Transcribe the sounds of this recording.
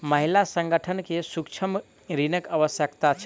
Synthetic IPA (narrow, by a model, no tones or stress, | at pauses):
məɦilasə̃ŋɡəʈʰənkesukt͡ʃʰəm | ɾinəkəʋəsjəkt̪at͡ʃʰ